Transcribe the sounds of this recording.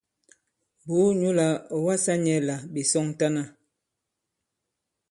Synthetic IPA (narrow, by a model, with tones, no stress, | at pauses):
bu˨˦ɲu˦la˨ɔ˨wa˦sa˦ɲɛ˨˦la˨bi˨sɔ˦ŋta˦na˦